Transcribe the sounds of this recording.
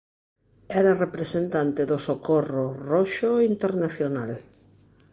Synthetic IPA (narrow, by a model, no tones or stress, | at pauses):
ɛɾarepɾesent̪ant̪eðosokororoʃoint̪eɾnaθjonal